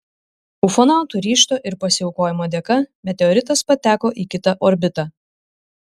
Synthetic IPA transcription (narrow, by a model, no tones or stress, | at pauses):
ʊfɔnɑˑʊt̪uɾʲiːʃt̪oːʔɪɾpɐsʲɪɛʊkoːjɪmoːd̪ʲɛkɐmʲɛt̪ʲɛɔɾʲɪt̪ɐspɐt̪ʲæːkoːʔiːkʲɪt̪ɐʔɔɾʲbʲɪt̪ɑː